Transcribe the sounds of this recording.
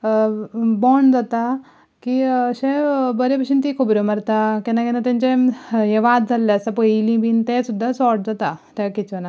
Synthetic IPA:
bɔɳd͡zat̪a | kiəɕẽbəɾepəʂint̪ikʰubɾoməɾt̪akɛnakɛnat̪ãɲt͡ɕeɦeʋat̪̚d͡zʱalːeəsapəilĩbiːnt̪esud̪ʱːasɔɾʈ̚d͡zat̪at̪akit͡ɕəna

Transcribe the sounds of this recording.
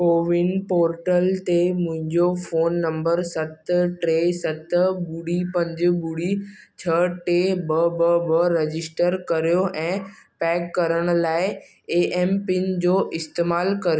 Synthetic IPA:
koːʋɪnpoːɾʈəlt̪emʊ̃ɦɪ̃ɲd͡ʑofoːnːɐ̃mbəɾsɐt̪ʈɾeːsɐt̪buɽipɐ̃ɲd͡ʑbuɽi | t͡ɕʰɐʈebɐbɐbɐɾed͡ʑɪsʈəɾkɐɾijoʔɛ̃ːpɛːkːɐɾəɽ̃ʊ̆laːɪ | eːʔeːmpɪnd͡ʑoːʔɪst̪eːmaːlkɐɾijo

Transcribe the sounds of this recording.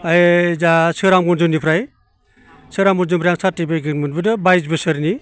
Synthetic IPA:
azasɯɾamɡɔnzɯmnipʰɾaj | sɯɾamɡɔnzɯmɾjaŋsʰatibaɡɯnmɯnbɯdɯbajzbɯsɯɾni

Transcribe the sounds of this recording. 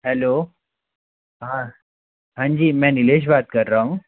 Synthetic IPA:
ɦɛlo | ɦã | ɦãɲd͡ʑiːmɛ̃nileːɕ̬bat̪̚kəɾːaũ

